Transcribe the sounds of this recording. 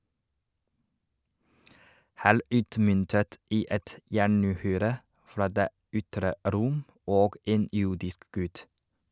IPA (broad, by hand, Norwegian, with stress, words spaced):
ˈhæːɭ ˈʉːtmʏntət ˈiː ˈɛt ˈjæɳʉːˌhyːɾə ˈfɾɑː ˈdeː ˈʏtɾə ˈɾʊm ˈoːɡ ˈeːn ˈjʊɖɪsk ˈɡʉt